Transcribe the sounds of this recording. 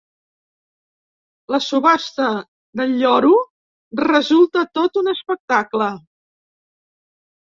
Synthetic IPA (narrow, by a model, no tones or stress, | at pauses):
ləsuβast̪ə | d̪əʎːɔɾu | rəzulˠt̪ət̪ot̪unəspək̚t̪aklə